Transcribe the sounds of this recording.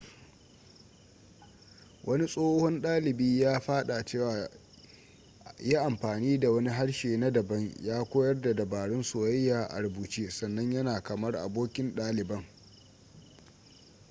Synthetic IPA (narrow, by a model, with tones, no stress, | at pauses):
wʔɐ˦ni˦sʼoː˦hɔ˦nɗaː˦lɪ˨biː˦jaː˦ɸaː˦ɗa˨t͡ʃeː˦waː˨ | jaː˦ʔa˨mɸaː˨niː˦da˨wɐ˦ni˦ɦa˦ɽʃeː˨na˦dɐ˨bɐ˦ɲjaː˦kʷoː˦jɐ˦rda˨dɐ˨baː˨ɽɪ˦nsʊ˨wɐ˦jːaː˨ʔa̰˨ɽbuː˨t͡ʃiː˦sɐ˨nːɐ˦ɲjɐ˦naː˨kɐ˨mɐ˦rʔa̰˨boː˦kʲɪ˦nɗaː˦lɪ˨bɐ˦ŋ